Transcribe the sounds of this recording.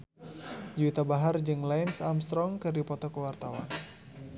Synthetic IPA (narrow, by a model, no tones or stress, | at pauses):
d͡ʒuit̪abaɦard͡ʒɨŋlaɪnsamst̪ɾɔŋkɨrdipɔt̪ɔkəwart̪awa̰n